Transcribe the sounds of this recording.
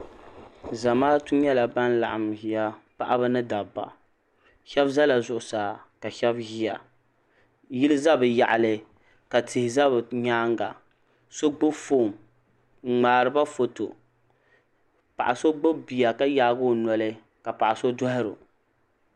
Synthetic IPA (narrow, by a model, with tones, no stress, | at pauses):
za˨maː˦tu˦ɲɛ˦la˨ba˦nla̰˨ʔa˨mhi˨ja˦pa˦ʔa˦bɨ˦nɨ˦da˨bːa̰˨ | ʃɛ˦bza˦la˨zʊ˦ʔʊ˨saː˨ka˨ʃɛ˦bhi˦ja˨ | ji˦lɨ˦za˦bɨ˨ja˨ʔa˨lɨ˦ | ka˨tɪ˨hɪ˨za˦bɲaː˦ŋɡa̰˨ | so˦ɡ͡bʊ˦fo˦˨m | ŋ͡m̩˨ŋ͡maː˨ɾɨ˨ba˦fo˨to̰˨ | pa̰˨ʔa˨so˦ɡ͡bo˦bi˨ja˨ka˦jaː˦ɡʊ˦˨nɔ˨lɨ˦ | ka˨pa˨ʔa˨so˦dʊ˦ɦɪ˦ɾʊ̰˨